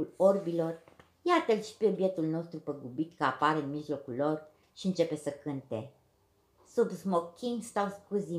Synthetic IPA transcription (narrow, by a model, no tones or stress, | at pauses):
ulorbilo̞r | jat̪əlʃi̥peobje̞t̪ulno̞st̪ɾupəɡubit̪kəapaɾeɨnmiʒlo̞kulːo̞r | ʃiɨnt͡ʃe̞pe̞səkɨnt̪e̞ | subzmokʲʰiŋst̪awskuzi